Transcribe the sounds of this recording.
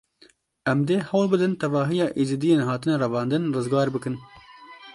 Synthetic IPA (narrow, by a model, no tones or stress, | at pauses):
ɛmd̪eːhɛwlbɨd̪ɨnt̪ɛvɑːɦijɑːʔiːzid̪ijeːnɦɑːt̪ɨnɛɾɛvɑːnd̪ɨnrɨzɡɑːɾbɨkɨn